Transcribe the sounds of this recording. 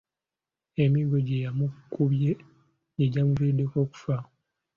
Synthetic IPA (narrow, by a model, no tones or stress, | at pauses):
emiɡo̞ɟejamukuβje | jeɟamuviːde̞ko̞ːku̥fa